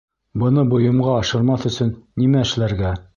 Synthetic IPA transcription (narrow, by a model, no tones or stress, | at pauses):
bɤ̆nɤbŏjɤ̆mʁɑːʃɤ̆ɾmɑθɵ̆sɵnːimæɘ̆ʃlæɾɡæ